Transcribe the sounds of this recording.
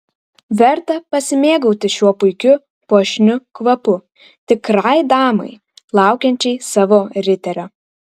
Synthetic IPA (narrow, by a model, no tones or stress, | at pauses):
ʋʲɛɾt̪ɐpɐsʲɪmʲeːɡɐʊt̪ʲɪʃʲuɔpʊɪkʲʊ | puɔʃʲnʲʊkʋɐpʊ | t̪ʲɪkɾɑjd̪ɑːmɐ̰ɪ | lˠɑˑʊkʲɛnʲt͡ʃʲɛɪsɑʋoɾʲɪt̪ʲɛɾʲo